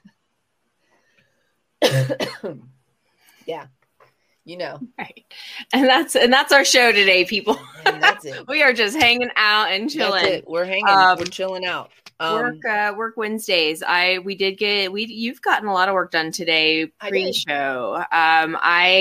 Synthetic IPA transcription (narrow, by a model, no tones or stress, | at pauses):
jæ | jɨnoʊɹaɪt̚ɨ̃nðætsɨ̃nðætsaə˞ʃoʊɾɨdeɪpʰipl̩ˠ | wiə˞d͡ʒʌst̚hæ̃ŋɪ̃ŋʔaʊɾɨ̃nt͡ʃʰɪlˠɪ̃ŋwɪɹɦæ̃ŋʌt͡ʃʰɪlˠɪ̃ŋaʊt̚ʌwɜ˞kʌwɜ˞kwɛ̃nzdeɪza̰ɪwidɨd̚ɡɛt̚wijʉvɡɑʔn̩əlɔɾəvwɜ˞k̚d̥ʌ̃ntʰɨdeɪpʰɹ̥iʃoʊʌ̃ma̰ɪ